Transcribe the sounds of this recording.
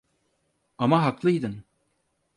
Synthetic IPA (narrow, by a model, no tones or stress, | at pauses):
amaɦaklˠɯjd̪ɯn